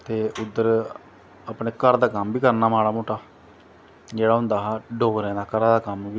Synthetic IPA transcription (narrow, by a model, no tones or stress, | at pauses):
t̪eːʊd̪ːəɾ | əːpɳeːkəɾd̪aːkəmbiːkəɾnaːmaːɭaːmoːʈaː | d͡ʒeːɽaːɦʊ̃nd̪aːɦaːɖoːɾɛ̃ːd̪aːkəɾãːd̪aːkəmʋiː